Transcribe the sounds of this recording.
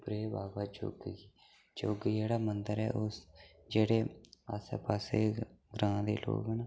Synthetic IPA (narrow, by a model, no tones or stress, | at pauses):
bɾeːbaːbaːd͡ʒo̰ːɡiː | d͡ʒoːɡd͡ʒeːɽaːmənd̪əɾɛ̰ːʔʊs | d͡ʒeːɽeːasḛːpaːseːɡɾãːd̪ḛːlʔo̰ːɡɛna